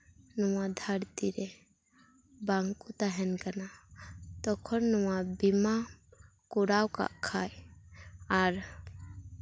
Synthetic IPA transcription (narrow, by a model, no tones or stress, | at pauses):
nɔwad̪ʱaɾt̪iɾɛ | baŋkut̪aɦɛnkanat̪ɔkʰɔnnɔwabima | kuɾawka̰ʔkʰaj | aɾ